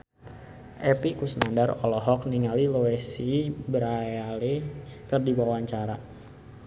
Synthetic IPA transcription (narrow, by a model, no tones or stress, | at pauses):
ʔɛpikusnandarɔ̰lɔɦɔk̚niŋaliloɛsibəɾajalikərdibawaɲt͡ʃaɾa